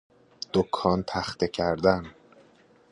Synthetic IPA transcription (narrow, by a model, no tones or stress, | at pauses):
d̪̥okʰːɒːnt̪ʰæxt̪ecʰæɾd̪æn